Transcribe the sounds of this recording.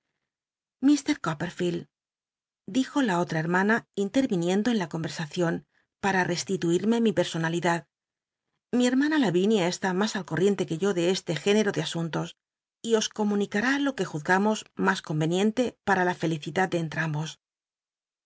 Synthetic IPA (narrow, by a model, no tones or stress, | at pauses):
mist̪e̞ɾkopeɾfil | d̪ixo̞lao̞t̪ɾae̞ɾmanaint̪e̞ɾβinjẽ̞nd̪o̞enlako̞mbe̞ɾsaθjo̞n | paɾare̞st̪it̪uiɾme̞mipe̞ɾso̞naliðað | mie̞ɾmanalaβinjae̞st̪amasalkorje̞nt̪e̞ke̞ʝo̞ðe̞est̪e̞xe̞neɾo̞ðe̞asunt̪o̞s | io̞sko̞mũnikaɾalo̞ke̞xuθɣamo̞zmasko̞mbe̞njẽ̞nt̪e̞paɾalafe̞liθiðað̚d̪eːnt̪ɾambo̞s